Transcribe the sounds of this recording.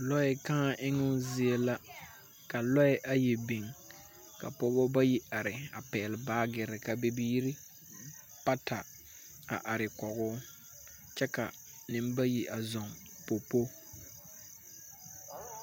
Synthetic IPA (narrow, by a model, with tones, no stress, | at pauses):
lɔ˦ɪ˨kã˦a˦ʔɪ˦ŋʊ˦zɪ˦e˦la˦ | ka˨lɔ˦ɪ˦ʔa˦je˨bi˨ŋ | ka̰˨po˦bɔ˦ba˦ji˦a˨ɾɪ˨a˨pɛː˨lɪ˨baː˦ɡɪ˨ɾɪ˨ka˨be˦biː˦ɾɪ˦ | pa˦ta˨ | a̰˨ʔa˨ɾɪ˨kɔ˨ɡʊː˦ | t͡ʃɛ˦ka˨ | nɪ˨m˦ba˦ji˦ʔa˨zɔ˨ŋ | po˨po˦